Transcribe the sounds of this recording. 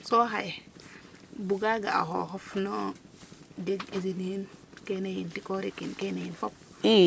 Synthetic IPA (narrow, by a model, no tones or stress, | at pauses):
soɦaj | buɡaɡaa̰ɦo̰ɦɔfno | deɡizininkenejintikoɾikinkenejinfɔp̚